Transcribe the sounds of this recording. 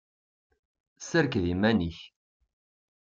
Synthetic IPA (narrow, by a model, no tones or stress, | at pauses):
səɾkðimæniç